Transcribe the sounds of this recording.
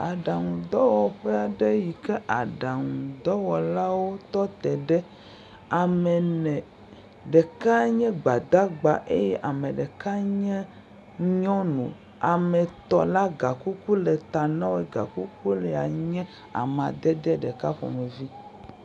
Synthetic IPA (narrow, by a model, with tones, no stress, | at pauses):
a˨ɖa˨ŋũ˨d̪ɔ˦wɔ˨ɸɛ˦a˨ɖɛ˦ji˨kɛ˦ʔa˨ɖa˨ŋũ˨d̪ɔ˦wɔ˨la˦wo˦t̪ɔ˦t̪ɛ˨ɖɛ˦ | a˨mɛ̃˨nɛ̃˨ | ɖɛ˨ka˦ɲɛ̃˦ɡ͡ba˨d̪a˦ɡ͡ba˨ʔe˦jɛ˦ʔa˨mẽ˨ɖɛ˨ka˦ɲɛ̃˦ | ɲɔ̃˦nṵ̃˨ | a˨mɛ̃˨t̪ɔ̰˨la˦ɡa˨ku˦ku˦lɛ˨t̪a˨nã˦wɛ˨ɡa̰˨ku˦ku˦lɛ˨a˨ɲɛ̃˦ | a̰˨mã˨d̪ɛ˦d̪ɛ˦ɖɛ˨ka˦ɸɔ̰˨mɛ˨vi˦